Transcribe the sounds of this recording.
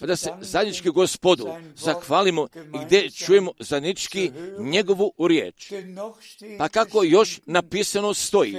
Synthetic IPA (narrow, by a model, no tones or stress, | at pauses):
pad̪ase̞zad̪ɲʲit͡ʃkiɡospod̪uzaxʋaːlimoiɡd̪je̞t͡ʃujemo̞zad̪nit͡ʃkiɲe̞ɡo̞ʋuɾjḛːt͡ʃ | pakako̞jo̞ʃnapisanost̪o̞jḭ